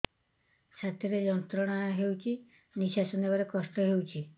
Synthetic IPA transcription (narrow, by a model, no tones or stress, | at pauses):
t͡ʃʰat̪iɾed͡ʒɔnt̪ɾɔɽ̃ajɔɦewt͡ʃʰi | niʃasɔnebaɾekɔsʈɔɦewt͡ʃʰi